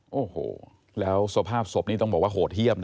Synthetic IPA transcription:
ʔoː˨˩ho̰ː˩˦ | lɛː˦˥wsu˧˩˧pʰaː˥˩p̚so˨˩p̚niː˥˩t̪ɔ˥˩ŋbɔː˨˩k̚waː˥˩ɦoː˨˩t̪̚hji˥˩əm

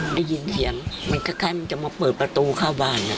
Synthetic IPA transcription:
da˥˩ji˧nsʰi˨˦əŋma˧nkʰaː˧˥˩kʰaː˧˩jma˧nt͡ɕa˨˩maː˧pɤː˨˩t̪̚pɾa˧t̪uː˧kʰaː˥˩wbaː˧˥˩nːa˧˩

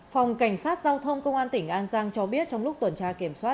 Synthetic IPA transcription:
fa˨˩wŋ͡mka˧˩jŋ̟saː˦˥t̚zaː˧wt̪ʰə˧wŋ͡mkə˧wŋ͡mʔaː˧nt̪ï˧˩ŋ̟ʔaː˧nzaː˧ŋt͡ɕɔ˧ɓi˦˥ət̚t͡ɕɔ˧wŋ͡mlʊ˦˥k͡p̚t̪wə˨˩nt͡ɕaː˧ki˧˩əmswaː˦˥t

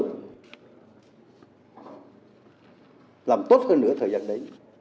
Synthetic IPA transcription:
laː˨˩mt̪o˦˥t̚həː˧nːɨ˧˥ət̪ʰəː˨˩jzaː˧nɗə˨˦j

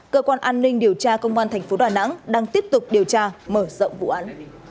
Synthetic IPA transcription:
kəː˧kwaː˧nʔaː˧nːï˧ŋ̟ɗi˨˩əwt͡ɕaː˧kə˧wŋ͡mvaː˧nt̪ʰɛ˨˩ŋ̟fo˨˦ɗaː˨˩na̰˧˥ŋɗaː˧ŋt̪i˦˥əp̚t̪ʊ˨˩k͡p̚ɗi˨˩əwt͡ɕaː˧məː˧˩zə̰˧˨wŋ͡mvṵ˧˨ʔaː˨˦n

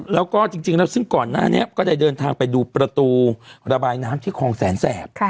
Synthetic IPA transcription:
lɛː˦˥wkɔː˥˩t͡ɕi˧ŋt͡ɕi˧ŋlɛː˦˥wsɯ˥˩ŋkɔː˨˩nːa̰ː˥˩ni˦˥ɐʔkɔː˥˩daː˥˩jdɤː˧nt̪ʰaː˧ŋpa˧jduː˧pɾa˧t̪uː˧ɾa˧baː˧jnaː˦˥mt̪ʰiː˥˩kʰɔː˧ŋsɛː˩˦nsɛː˨˩p̚kʰ

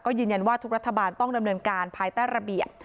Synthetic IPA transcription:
kɔː˥˩jɯː˧nja˧nwaː˥˩t̪ʰu˦˥kɾa˦˥t̪ʰːa˧baː˧nt̪ɔ˥˩ŋda˧mnɤː˧nkaː˧npʰaː˧jt̪aː˥˩jɾa˧bi˨˩əp̚

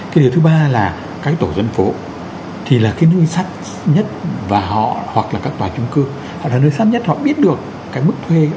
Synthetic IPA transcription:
kaː˨˦ɗi˨˩wt̪ʰɨ˨˦ɓaː˧laː˨˩ | kaː˦˥k̚t̪o˧˩zə˧nfo˨˦ | t̪ʰi˨˩laː˨˩kaː˨˦jnəː˧jsa˦˥t̚ | ɲə˦˥t̚vaː˨˩ɦɔ̰˧˨hwa˨˩k̚laː˨˩kaː˦˥k̚t̪waː˨˩t͡ɕʊ˨˦ŋ͡mkɨ˧əŋ | hɔ̰˧˨ɗaː˨˩nəː˧jsaː˦˥t̚ɲə˦˥t̚hɔ̰˧˨ɓi˦˥ət̚ɗɨ˨˩əkːaː˨˦jmɨ˦˥k̚t̪ʰwe˧

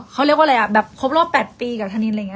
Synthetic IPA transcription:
kʰa˦˥wli˦˥əkwa˧la˧jʔa˨˩bɛː˨˩p̚kʰo˦˥p̚ɾɔː˥˩pːɛː˨˩t̪̚piː˧kaː˨˩t̪ʰa˧ni˧nʔa˧jŋ˧˦˥

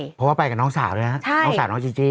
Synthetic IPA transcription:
pʰwaː˥˩pa˧jka˨˩nɔː˦˥ŋsaː˩˦wɾːna˦˥t͡ɕʰa˥˩˦saː˩˦nɔː˦˥t͡ɕi˧ŋt͡ɕi˧

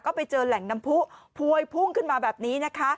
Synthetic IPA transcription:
kɔː˥˩pa˧jt͡ɕɤː˧lɛ˩˦ŋna˧mpʰu˦˥ʔpʰu˧əjpʰuː˥˩ŋkʰɯ˥˩nmaː˧bɛː˨˩p̚niː˦˥na˦˥kʰa˦˥ʔ

